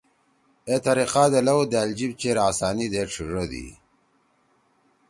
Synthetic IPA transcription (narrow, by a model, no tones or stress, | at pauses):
et̪aɾiqaːd̪elɐwd̪eald͡ʑibt͡ɕeɾaːsaːnid̪eʈ͡ʂʰiʐəd̪ḭ